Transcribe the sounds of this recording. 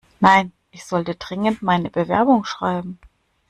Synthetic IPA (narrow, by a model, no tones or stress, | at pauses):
naɪn | ʔɪçz̥ɔltədʁɪŋəntmaɪnəbəvɛ̰ɐbʊŋʃʁ̥a̰ɪbm̩